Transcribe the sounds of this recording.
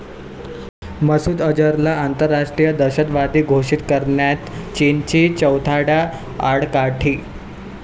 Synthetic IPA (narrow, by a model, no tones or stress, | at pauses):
məsuːd̪əd͡ʑəɾlaant̪əɾːaʂʈɾijəd̪əɕət̪ʋad̪iːɡʱoʂit̪kəɾɳjat̪t͡ɕint͡ɕiːt͡ɕəwt̪ʰaɽa | aɽkaʈʰiː